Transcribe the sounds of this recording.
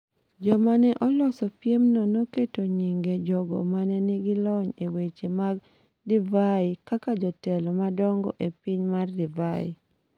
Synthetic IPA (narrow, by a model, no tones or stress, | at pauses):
d͡ʒɔmanɛʔɔlɔsɔpjemnonoketoɲiŋɡed͡ʒɔɡɔ̰manɛnɪɡɪlɔɲewet͡ʃemaɡ | divaikakad͡ʒɔtɛlɔmadɔŋɡɔ̰ʔepiɲmardivaḭ